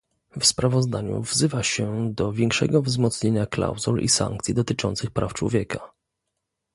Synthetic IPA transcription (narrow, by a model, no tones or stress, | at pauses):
fspɾavɔzd̪aɲṵvzɘvaɕɛd̪ɔvʲjɛŋkʂɛ̰ɡɔvzmɔt̪sɲeɲakla̰wzulḭsa̰ŋk̚t̪sʲid̪ɔt̪ɘt͡ʂɔnt̪sɘxpɾaft͡ʂwɔ̰vʲjɛka